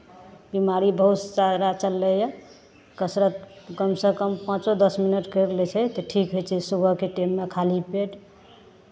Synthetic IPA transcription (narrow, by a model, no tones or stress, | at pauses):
bimaɾibəɦut̪t͡ʃaɾat͡ʃəlːɛja | kəsɾət̪kəmsẽkəmpãt͡ʃod̪əsminəʈkəɾlɛt͡ʃʰɛt̪ɔʈʰikɦojt͡ʃʰɛsubʱəkeʈemːekʰalipeʈ